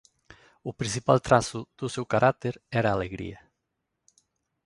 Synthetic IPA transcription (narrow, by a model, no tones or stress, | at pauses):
upɾĩnsipalt̪ɾasuð̥usewkaɾʔak̚t̪eɾɛɾaːleɣɾḭɐ